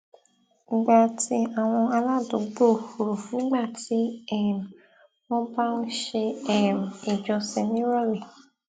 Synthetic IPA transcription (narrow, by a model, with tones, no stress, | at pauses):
ɡ͡ba˨ti˧˦a˨w̃ɔ̃˧a˧la˦˨do˨˦ɡ͡bo˦˨ho˨ɾo˨fũ˨˦ɡ͡ba˦˨ti˨˦ɛ˦˨m˨ | w̃ɔ̃˦ba˦nu˦ʃe˧ɛ˨m˨e˨d͡ʒɔ˧sɛ˧nĩ˦ɾɔ˦lɛ˨